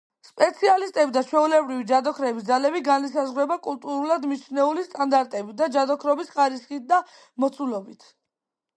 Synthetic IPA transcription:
spʼɛt̪sʰialist̪ʼɛbid̪at͡ʃʰwɛulɛbɾivid͡ʒad̪ɔkʰɾɛbisd̪zalɛbiɡanisazʁɾɛbakʼulˠt̪ʼuɾulad̪mit͡ʃʰnɛulist̪ʼand̪aɾt̪ʼɛbid̪ad͡ʒad̪ɔkʰɾɔbisχaɾisχit̪̚ʰd̪a | mɔt̪sʰulɔbit̪ʰ

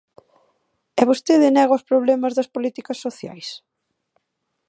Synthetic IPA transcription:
ɛβost̪eðɪnɛɣaʊspɾoβlɛmɐzðɐspolit̪ikɐsːoθja̰js

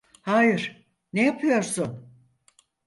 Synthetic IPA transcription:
haːjɪɾ̥ | nejapʰɯjo̞ɾsʊn

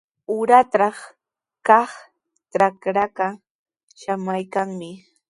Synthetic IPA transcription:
ʊɾat̪ɑχ | kɑχ | ʈ͡ʂakɾaka | ʃamajkaŋmɪ

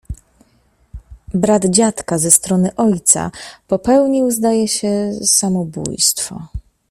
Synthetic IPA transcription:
bɾad̪d͡ʑat̪kazɛst̪ɾɔnɘʔɔjt̪sa̰pɔpɛwɲiwzd̪ajɛɕɛsamɔbṵjst̪fɔ̰

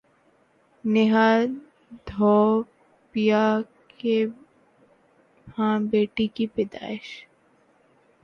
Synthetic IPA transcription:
nɪɦa | d̪ʱoː | pijake | hãːbeːʈikipɪd̪a̰ːɪʃ

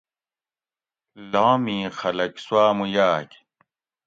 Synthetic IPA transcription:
laːmĩːxɐlɐkswaːmujaːk

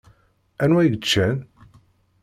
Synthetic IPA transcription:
ænwæjɡət͡ʃːæn

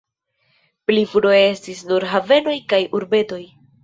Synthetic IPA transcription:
plifuɾoje̞stisnuɾɦave̞no̞jkajuɾbe̞to̞j

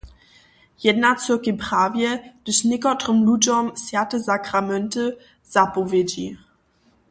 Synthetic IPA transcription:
jɛdnat͡səkəpʁ̥aːvjɛd̥əɕnɪkɔtʁəmlud͡ʑɔmsjatəzakramɛntə | z̥apɔvjed͡ʑi

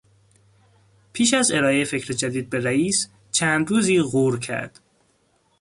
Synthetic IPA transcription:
pʰiːʃæze̞ɾɒːejefe̞cʰɾed͡ʒæd̪iːd̪̚be̞ɾæiːs | t͡ʃʰæːnd̪ɾuːziːɣuːɾcʰæ̰ɾd̪̥

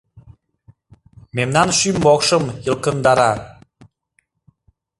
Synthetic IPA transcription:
memnɑnʃymbokʃəmjəlkənd̪ɑɾɑ

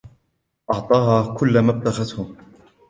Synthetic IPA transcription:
ʔɑʕt̪ˤɑːɦaːkʊlːamab̚t̪aɣat̪hʊm

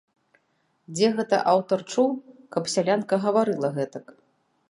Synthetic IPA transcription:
d͡zʲɛɣɛt̪ɐ̰ʔawt̪ɐrt͡ʂuwkɐpsʲalʲankɐɣɐvaɾɨlˠɐɣɛt̪ɐk

